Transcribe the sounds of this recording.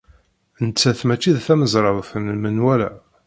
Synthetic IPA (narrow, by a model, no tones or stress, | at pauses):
ənət͡sːæθmæt͡ʃːiðθæməzˤɾˤɑðˤfənəmənwælæ̰